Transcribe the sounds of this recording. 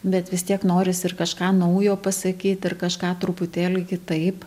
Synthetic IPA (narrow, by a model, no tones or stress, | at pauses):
bʲɛt̪ʋʲɪst̪ʲiɛknoːɾʲɪsɪrkɐʃkɑːnɐʊjoːpɐsɐkʲiːt̪ʲɪrkɐʃkɑːt̪ɾʊpʊt̪ʲeːlʲɪkʲɪt̪ɐɪp